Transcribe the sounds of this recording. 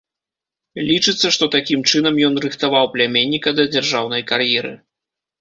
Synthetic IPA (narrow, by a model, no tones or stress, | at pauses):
lʲit͡ʂɨt̪sːɐʂt̪ɔt̪akʲimt͡ʂɨnɐmjɔnrɨxt̪avawplʲamʲenʲːikɐd̪ɐd͡zʲarʐawnɐjkarjɛɾɨ̰